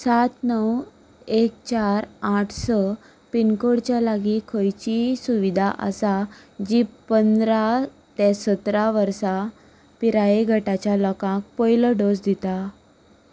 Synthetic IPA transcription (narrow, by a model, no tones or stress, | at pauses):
sat̪nəw | ek̚t͡ɕaɾaʈʰsɔ | pinkoɽt͡ɕjalaɡikʰəjt͡ɕisuʋid̪ʱaʔa̰sa | d͡ʑiːpənd̪ɾa | t̪ɛsət̪ɾaʋəɾsa | piɾaeɡʱəʈat͡ɕjalɔkãk̚pɔjləɖosd̪it̪a